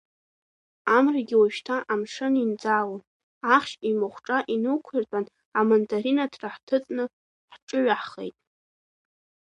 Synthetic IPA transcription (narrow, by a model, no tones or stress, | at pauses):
amraɡʲɪwaʃtʰaʔamʂɨnind͡zawo | aχʃimɨχʷʈ͡ʂʼaʔinɨkʷʰirtʼan | amondʼaɾinatʰraħtʰɨt͡sʼnɨ | ħʈ͡ʂʼɨɥaħχḛjtʼ